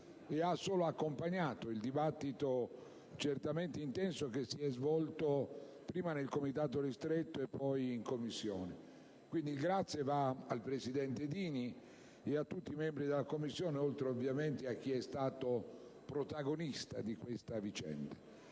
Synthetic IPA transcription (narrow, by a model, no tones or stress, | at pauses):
easːoːloakːompaɲːaːt̪oild̪ibat̪ːit̪o | t͡ʃert̪ament̪eint̪ɛnsokesːiɛzvɔlt̪o | pɾiːmanelkomit̪aːt̪oɾist̪ɾet̪ːoepːɔjiŋkomːisːjɔːne | kwind̪iɡɾat̪sːjevaalpɾesid̪ɛnt̪ed̪iːni | eat̪ːut̪ːimɛmbɾid̪elːakomːisːjɔːneolt̪ɾeovjament̪eak̟ːiɛst̪aːt̪opɾot̪aɡonist̪a̰d̪ikwest̪avit͡ʃɛ̰nd̪a